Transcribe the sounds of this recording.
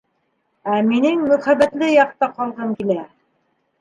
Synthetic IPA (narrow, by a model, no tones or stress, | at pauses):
æminɘŋmɵ̆χæβæt̪lɘjɑq̚t̪ɑqɑlˠʁɤŋkilæ